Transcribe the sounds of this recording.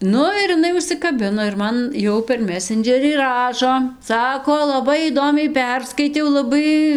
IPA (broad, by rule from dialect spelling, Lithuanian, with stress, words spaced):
ˈnʊ ɪr ɪˈnɐɪ ʊʃʲsʲɪkɐˈbʲɪnoː ɪr ˈmɐn ˈjɛʊ pʲɛr ˈmʲæːsʲɛnʲd͡ʒʲɛrʲiː ˈrɑːʃoː ˈsɑːkoː lˠɐˈbɐɪ iːˈdoːmʲɛɪ ˈpʲɛrskɐɪtʲɛʊ lˠɐˈbɐɪ